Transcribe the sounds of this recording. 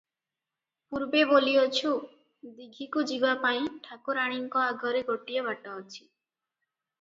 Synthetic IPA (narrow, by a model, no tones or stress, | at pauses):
puɾbeboliot͡ʃʰu | d̪iɡʱikud͡ʒibapaĩʈʰakoɾaɽ̃iŋkɔaɡʱɔɾeɡʱoʈijebaʈaot͡ʃʰi̥